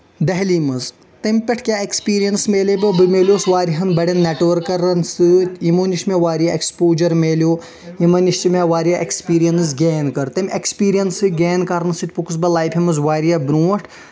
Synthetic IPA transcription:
d̪ɐɦlimɐz | t̪ɐmʲpʲɐʈʰkʲaːekspiːɾijɐnsmeːlebɨbɨmeːlʲjoːsʋaːɾiɦɐnbɐɽʲɐnːeʈʋɐɾkːɐɾɐnsɨimuːniʃmeʋaːɾijaekspoːd͡ʒɐɾmeːlʲjoː | imɐniʃt͡ʃimeʋaːɾijɐʔekspiːɾijɐns̬ɡeːnkɐɾt̪ɐmʲekspiːɾijɐnsɨɡeːnkɐɾnsɨt̪ʲpukus̬bɐlaːjpʰimɐzʋaːɾijɐbɾuːɐʈʰ

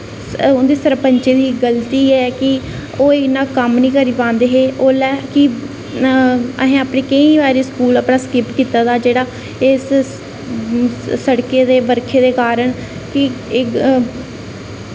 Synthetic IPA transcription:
ʊnd̪iːsəɾpəɲt͡ʃeːd̪iːɡəlt̪iːɛɛːkɪ | oːɪnãːkəmnĩːkəɾiːpãːnd̪eːɦeːʔoːlɛːkɪ | ə̰ɦẽːaːpɳeːkəĩːʋaːɾiːskuːlaːpɳãːskɪpkiːt̪aːd̪aːd͡ʒeːɽaː | ɪs | səɽkeːd̪eːbəɾkʰeːd̪eːkaːɾəɳ | kɪ

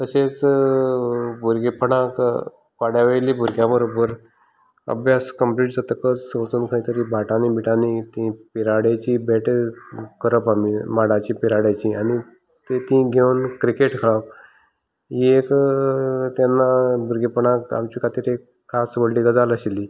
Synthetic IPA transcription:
t̪əset͡s | bʱuɾɡipəɽãk | kaɽjaʋəjliːbʱuɾɡjãbəɾobəɾ | ə̰bʱjaskəmpliːʈd͡zat̪əkət͡ssʋt͡suːnkʰə̃ĩt̪əɾibʱaʈanibʱiʈanit̪ĩpiɾaɽat͡ɕibeʈkəɾəpamimaɽat͡ɕipiɾaɽjat͡ɕiañi | t̪et̪ĩɡʱewnkɾikeʈkʰəɭəp̚ | ɦiek | t̪janːabʱuɾɡipəɳãka̰mt͡ɕiːkʰat̪iːɾek | kʰːasʋəɽliːɡəd͡zaləɕilːi

